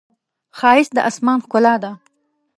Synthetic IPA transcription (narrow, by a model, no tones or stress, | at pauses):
xɑːɪsd̪əʔasmɑːnxkʊlɑd̪a